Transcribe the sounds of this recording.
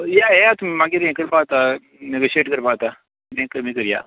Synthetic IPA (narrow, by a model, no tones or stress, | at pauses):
jaejat̪ummãɡeɾẽkəɾbaːt̪a | neɡoːʃeːʈkɐɾbaːt̪a | nẽkəɾmĩkəɾja̰ː